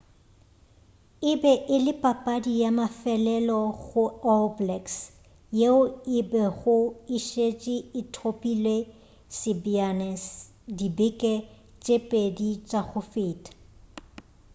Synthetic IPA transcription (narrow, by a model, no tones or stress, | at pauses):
ɪbɛʔɪlɪpʼapʼadijamafɛlɛlɔɣʊɔblɛks | jeʊɪbɛɣʊɪʃet͡ʃʼiɪtʰopʼilwe | sɪbianɛs | dibɪkʼɛ | t͡ʃʼepʼedit͡ʃʼaɣʊfɪːtʼḁ